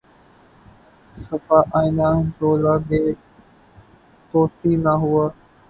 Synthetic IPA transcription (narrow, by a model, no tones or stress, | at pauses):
səfaːʔaːĩnaːd͡ʒoːlaːɠeː | t̪oːt̪iːnaɦʊaː